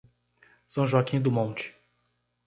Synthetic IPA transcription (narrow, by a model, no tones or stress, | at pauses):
sɐ̃w̃ʒɔkĩd̪ʊmõt͡ʃɪ̥